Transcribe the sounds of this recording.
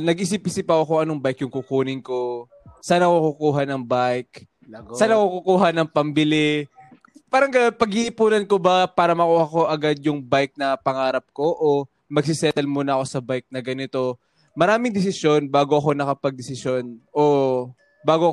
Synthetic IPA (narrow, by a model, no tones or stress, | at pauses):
nɐɡɪs̬ipʔɪsɪpːɐɐkoʔɐnoŋbajkjʊŋkukuːnɪŋko | saːnɐkukukuːɦɐnɐŋbajk | saːnɐkukukuːɦɐnɐŋpɐmbɪlɪ | paːɾɐŋɡɐjonpɐɡhɪʔɪpuːnɐnkobɐpaːɾɐmɐkuːhɐko̞ʔɐɡad̪̚jʊŋbajk̚nɐpɐŋaːɾɐp̚ko̞ʔo | mɐɡ̚sɪsɛt̪ɛlmunɐʔɐko̞sɐbajk̚nɐɡɐnɪt̪o̞ | mɐɾaːmɪŋd̪ɛs̬ɪsjo̞nbaːɡoʔɐko̞nɐkɐpɐɡ̚d̪ɛsɪsjonʔo | baːɡoʔɐ